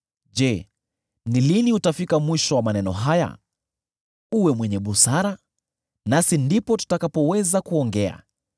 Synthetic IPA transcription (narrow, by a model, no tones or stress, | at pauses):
ʄɛ | niliniutafikamwiʃɔwamanɛnɔ̰ɦaja̰ | uwɛmwɛɲɛɓusaɾa | nasindipɔtu̥takapɔwɛzakuɔŋɡɛa̰